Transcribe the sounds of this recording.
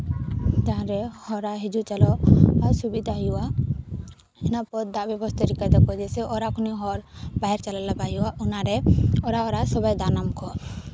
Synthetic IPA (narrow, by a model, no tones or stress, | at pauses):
t̪aɦãɾɛhɔɾaɦid͡ʒut͡ʃalɔaɾsubid̪ʱaɦjua | ɛnapɔd̪abɛbɔst̪ɔɾikad̪ɔkɔd͡ʒɛsɛʔɔɾakɔniɦɔɾbaɦɛɾt͡ʃalalabajuaʔunaɾɛɔɾaɔɾasɔbajd̪anamkʰɔ